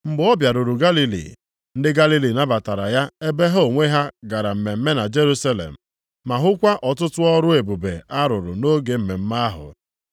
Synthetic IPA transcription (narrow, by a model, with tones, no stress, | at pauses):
m̩˦ɡ͡bɔ˦bja˨ɾʊ˨ɾʊ˨ɡa˦li˦lḭ˨ | n̩˦dɪ˦ɡa˦li˦li˨na˦ba˨ta˨ɾa˨ja˦e˦be˦ɦo˦˨ŋʷe˦ɦa˦ɡa˨ɾa˨m̩˨me˨m̩˦me˦na˨d͡ʒe˦ɾu˦sa˦lḛ˨m̩˨ | ma˨ɦʊ˦kʷa˦ʔɔ˨tʊ˦tʊ˦ɔ˦ɾʊ˦e˨bu˨be˨a˦ɾʊ˨ɾʊ̰˨no˦ɡe˨m̩˨me˨m̩˦ma˦ɦʊ̰˨